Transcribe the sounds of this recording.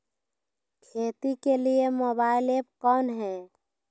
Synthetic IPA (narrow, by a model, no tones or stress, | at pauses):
kʰeːt̪ikeliemoːbaːɪleːp̚kɔːnɦɛː